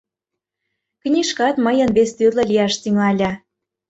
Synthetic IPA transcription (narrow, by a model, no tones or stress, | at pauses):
knʲiʃkɑt̪məjə̆nβest̪yrlɤ̆lʲijɑʃt̪yŋɑlʲɑ